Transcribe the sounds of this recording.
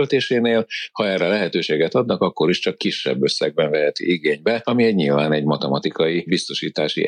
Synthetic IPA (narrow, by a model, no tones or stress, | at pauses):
lt̪eːʃeːneːlhɒɛːrːɛlɛɦɛt̪øːʃeːɡɛt̪ɒd̪nɒkɒkːo̞ɾiʃt͡ʃɒkːiʃːɛ̰bːøsːɛ̰ɡ̚bɛɱvɛɦɛt̪ḭiɡeːɲbɛɒmiɛɟɲilvaːnɛɟmɒt̪ɛmɒt̪ikɒjibist̪o̞ʃiːt̪aːʃḭ